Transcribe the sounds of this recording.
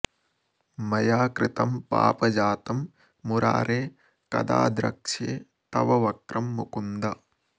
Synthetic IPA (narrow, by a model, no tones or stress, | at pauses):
mɐjaːkɾɪt̪ɐmpa̰ːpɐd͡ʒaːt̪ɐmː | uɾʔa̰ːɾeː | kɐ̰d̪a̰ːd̪ɾɐ̰kʂeː | t̪ɐʋɐʋɐkɾʔɐmːukund̪ɐ